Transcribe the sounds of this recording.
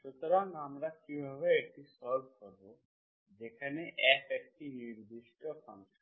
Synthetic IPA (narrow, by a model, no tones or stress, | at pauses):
ʃut̪oɾaŋɡamɾakibʱɔβeekʈisɔɾbʱkɔɾbo | d͡ʒekʰaneʔɛkek̚ʈiniɾd̪iʃʈɔkʰã̰nt͡ʃʰ